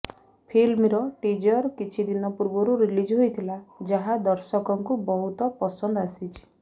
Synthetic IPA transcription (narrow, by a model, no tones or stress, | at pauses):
pʰilmɾɔʈid͡ʒɔɾkit͡ʃʰid̪inɔpuɾbɔɾuɾilid͡ʒɦojt̪ʰilad͡ʒaɦad̪ɔɾsɔkɔŋkubɔɦut̪ɔpɔsɔnd̪ɔasit͡ʃʰi̥